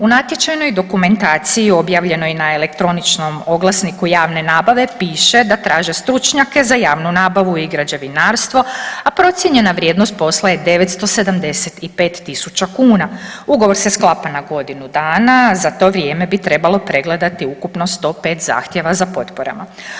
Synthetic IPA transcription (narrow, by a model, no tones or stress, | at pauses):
unat̪je̞t͡ʃajno̞jd̪o̞kume̞nt̪aːt̪sijio̞bjaːʋʎe̞no̞jinaele̞kt̪ɾo̞nit͡ʃno̞mo̞ɡlˠasnikujaːʋne̞naːbaʋe̞piːʃe̞d̪at̪ɾaːʒe̞st̪ɾut͡ʃɲake̞zajaːʋnunaːbaʋuiɡɾad͡ʑeʋinaːɾst̪ʋo̞apɾo̞t̪sje̞ɲe̞naʋɾjed̪nost̪̚po̞slˠajed̪e̞ʋet̪st̪o̞se̞d̪amd̪e̞set̪ipe̞ːt̪ːisut͡ɕakuːnauɡo̞ʋo̞ɾsesklˠapanaɡo̞d̪inud̪aːnazat̪o̞ːʋɾje̞ːme̞bit̪ɾe̞balˠo̞pɾe̞ɡle̞d̪at̪iukupno̞st̪o̞ːpe̞ːt̪za̰ːxt̪je̞ʋazapo̞t̪po̞ɾa̰ma